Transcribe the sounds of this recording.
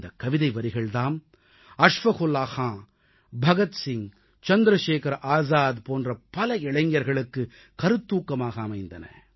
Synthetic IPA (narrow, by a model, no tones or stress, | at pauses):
d̪ɐkːɐʋɪðɐɪʋɐɾɪɣɐɭt̪aːm | ɐʂʋɐɣʊlaːxãː | bʱɐɣɐt̪sɪŋ | t͡ʃɐnd̪ɾɐʂeːkɐɾʔaːzaːðpoːndrɐpɐlɐɪɭɐɪŋːɐɾɣɐɭɯkːɯ | kɐɾɯt̪ːuːkːɐmaːɣɐːmɐɪnd̪ɐnɐ̰